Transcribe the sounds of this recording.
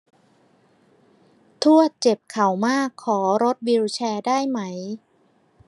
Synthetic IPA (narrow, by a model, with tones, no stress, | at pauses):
t̪ʰu˥˩ət̪̚t͡ɕe˨˩p̚kʰa˨˩˦wmaː˥˩kʰːɔː˩˦ɾo˦˥t̪̚wiː˧wt͡ɕʰɛː˧daː˥˩jma˦˥j